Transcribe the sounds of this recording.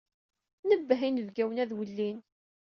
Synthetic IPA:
nəbːəɦinəvɡæwənæðwəlːin

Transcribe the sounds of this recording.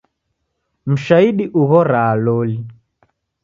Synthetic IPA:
m̩ʃaiɗiʔuɣɔɾaːlɔli

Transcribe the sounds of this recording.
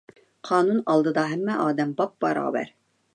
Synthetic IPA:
qʰɑːnunɑlˠd̪ɤd̪ɑɦæmːæʔɑːd̪ɛmbɑp̚b̥ɑɾɑ̰ːbæ̰ɾ

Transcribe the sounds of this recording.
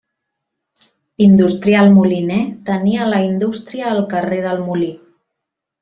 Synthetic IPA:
ind̪ust̪ɾialˠmulinɛt̪əniələind̪ust̪ɾiəːlˠkəreðəlˠmuli

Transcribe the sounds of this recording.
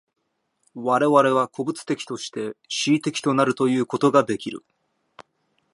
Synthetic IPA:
βaɾe̞βaɾe̞β̞akʰo̞bɯ̟t͡sɨ̥t̪e̞kʲi̥t̪o̞ɕi̥t̪e̞ɕiːt̪e̞kʲi̥t̪o̞naɾɯ̟t̪o̞jɯ̟ːko̞t̪o̞ɡad̪e̞kʲiɾɯ̟̰

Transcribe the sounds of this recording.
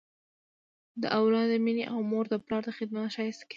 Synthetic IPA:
d̪əʔawlɑd̪əmineʔawmoɾd̪əplɑɾd̪əxɪd̪̚mat̪ʃɑjəst̪k

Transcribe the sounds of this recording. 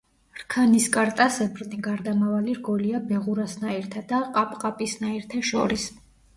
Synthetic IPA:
ɾkʰaniskʼaɾt̪ʼasɛbɾniɡaɾd̪amavaliɾɡɔliabɛʁuɾasnaiɾt̪ʰad̪aqʼapʼqʼapʼisnaiɾt̪ʰɛʃɔ̰ɾis

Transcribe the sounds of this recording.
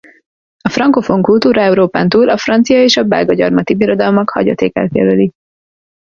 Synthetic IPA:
ɒfrɒŋko̞fo̞ŋkult̪uːɾɒɛuɾoːpaːnt̪uːlɒfrɒnt̪sijɒeːʃɒbɛ̰lɡɒɟɒrmɒt̪ibiɾo̞d̪ɒlmɒkhɒ̰ɟo̰t̪ḛːkɛ̰lt̪jɛ̰løli

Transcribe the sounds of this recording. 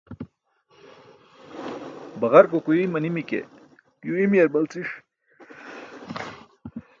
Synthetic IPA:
bɐɣaɾkokuimɐnimikḛ | juimijeɾbɐlt͡siʂ

